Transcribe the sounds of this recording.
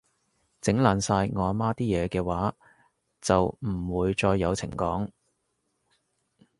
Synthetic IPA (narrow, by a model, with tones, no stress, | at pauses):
t͡sɪ˨˥ŋlaː˨˧nsaː˧jŋɔː˨˧maː˥t̪iː˥jɛː˨˧kɛː˧waː˨˥ | t͡sɐ˨wm̩˨˩wuː˨˧jt͡ʃɔː˧jːɐ˨˧wt͡sʰɪ̰˨˩ŋkɔ̰ː˨˥ŋ